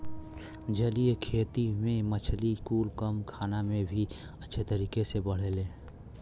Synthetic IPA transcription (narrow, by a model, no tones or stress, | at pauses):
d͡ʒəliekʰeːt̪imẽmət͡ʃʰliskuːlkəmkʰaːnamẽbʱi | ətːʃʰet̪əɾiːkesebəɽ̤eːlẽː